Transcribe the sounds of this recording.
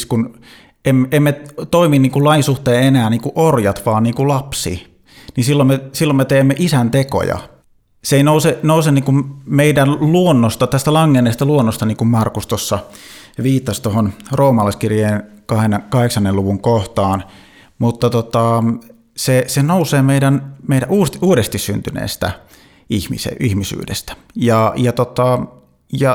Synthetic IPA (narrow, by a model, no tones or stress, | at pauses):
skun | emːemːet̪oiminniːŋkullɑinsuht̪eːenæːnniːŋkuʔorjɑt̪ʋɑːnniːŋkulɑpsḭ | ninsilːomesilːomet̪eːmːeʔisænt̪eko̰jɑ̰ | seinousenousenniːkummeidænluonːost̪ɑt̪æst̪ælɑŋːenːeːst̪ɑluonːost̪ɑniːŋkummɑrkust̪osːɑʋiːt̪ːɑst̪ohonroːmɑlɑˑiskirjeːnkɑhenːkɑheksɑnːeluʋuŋkoht̪ɑːn | mut̪ːɑt̪ot̪ɑ | sesenouseːmeidænmeidæʔuːst̪uːdest̪issy̰nt̪ynḛːst̪æ̰ | ihmḭsḛihmisy̰ːdḛst̪æ̥ | jɑjɑt̪ot̪ɑ | jɑ